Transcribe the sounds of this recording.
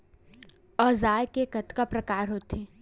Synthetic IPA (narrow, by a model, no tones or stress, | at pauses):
ɔːzaːjkekɐt̪kapɾɐkaːɾɦoːt̪eː